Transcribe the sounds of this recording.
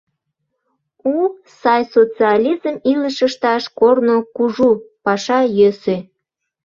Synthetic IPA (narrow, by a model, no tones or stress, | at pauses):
u | sɑjsot͡siɑlʲizəmiləʃəʃt̪ɑʃkornokuʒupɑʃɑjøse